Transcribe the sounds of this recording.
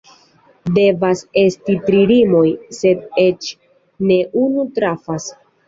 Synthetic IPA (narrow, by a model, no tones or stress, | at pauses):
de̞vase̞stitɾiɾimo̞jse̞de̞t͡ʃ | ne̞ʔunutɾafas